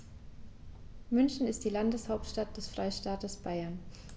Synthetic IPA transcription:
mʏnçn̩ɪstd̥iːlandəshaʊp̚tʃtat̚d̥ɛsfʁ̥aɪʃtaːtəsb̥aɪɐn

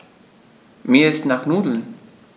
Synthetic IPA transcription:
miəst̪naxnuːd̪ln

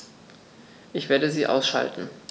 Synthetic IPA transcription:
ʔɪçv̥eːɐɾəziːʔa̰ʊsʃa̰ltn̩

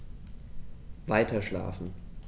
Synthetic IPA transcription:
vaɪtʰɐʃla̰ːfn̩

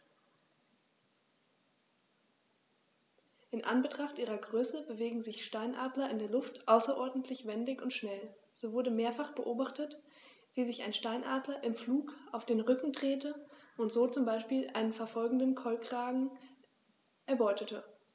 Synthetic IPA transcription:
ʔɪnʔa̰nbətʁ̥aχtʔiːʁɐɡʁøːsəbəveːɡŋ̩zɪçʃtaɪnʔa̰ːdlɐɪndeːɐlʊftʔaʊsɐʔɔɐdn̩tʰlɪçv̥ɛndɪçʊntʃnɛlz̥oːvʊɐdəmeːɐfaχb̥əʔoːbaχtət | v̥iːzɪça̰ɪnʃtaɪnʔa̰ːdlɐʔɪmfluːkaʊfd̥eːnʁʏkŋ̩dʁeːtəʔʊntz̥oːt͡sʊmbaɪʃpiːlʔa̰ɪnənfɛɐfɔlɡŋ̩dənkʰɔlkʁ̥aːɡŋ̩ | ʔɛɐbɔʏtətʰə

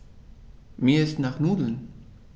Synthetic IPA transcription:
miːɐɪstnaːχnuːdl̩n

